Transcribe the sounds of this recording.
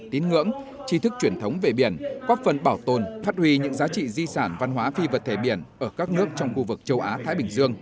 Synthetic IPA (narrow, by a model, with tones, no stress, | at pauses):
t̪i˨˦nŋɨ̰˧˥əŋ | t͡ɕi˧t̪ʰɨ˦˥k̚t͡ɕwi˧˩ənt̪ʰə˨˦wŋ͡mve˨˩ɓi˧˩ənkɔ˦˥t̚fə˨˩nɓaː˧˩wt̪o˨˩nfaː˦˥t̚hwi˧ɲɨ̰˧˥ŋzaː˨˦t͡ɕḭ˧˨zi˧saː˧˩nva˧nɦwaː˨˦fi˧və˨˩t̚t̪ʰe˧˩ɓi˧˩ənʔəː˧˩kaː˦˥k̚nɨ˦˥ək̚t͡ɕɔ˧wŋ͡mxu˧vɨ˨˩k̚t͡ɕə˧wʔaː˨˦t̪ʰaː˨˦jɓï˧˩ŋzɨ˧əŋ